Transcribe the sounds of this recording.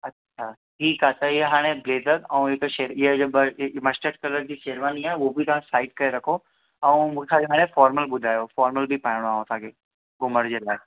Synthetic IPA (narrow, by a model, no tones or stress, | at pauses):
ɐtːʃʰaʈʰiːkɦat̪ɐɪɦeɦaːɽ̃ebleːd̪əɾɛ̃ũekʃeːɾɪɦed͡ʑbmɐsʈəʈ̚kɐləɾd͡ʑiːʃeːɾʋaːniaːobʱit̪ɐʋ̤ãsaːɪʈ̚kɐeɾɐkʰo | ɛ̃ũmũːkʰsʰaɡeɦaːɽ̃ẽfɔːɾməlɓʊd̪ʱaːjofɔːɾməlbʱipaɳɽ̃oaːɦõsʰaːkʰeː | ɡʊməɾd͡ʑeːlaːe